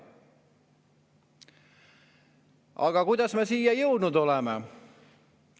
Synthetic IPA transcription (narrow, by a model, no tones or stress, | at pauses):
ɑ̰ɡ̥ɑkujd̪ɑsmesiːjɑjɤwd̪nud̪o̞leme